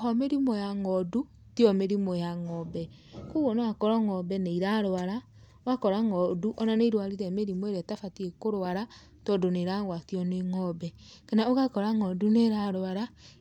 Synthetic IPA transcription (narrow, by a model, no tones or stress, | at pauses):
ɦɔmeɾimɔjaŋɔdu | tjɔmeɾimɔjaŋɔbɛ | kuɣɔnawakɔɾɔŋɔbɛneiɾaɾoaɾa | oakɔɾaŋɔduʔɔnaneiɾwaɾiɾɛmeɾimoeɾɛtafatiekoɾoaɾa | tɔdoneɾaɣwatjɔneŋɔbɛkenaoɣakɔɾaŋɔduneɾaɾoaɾa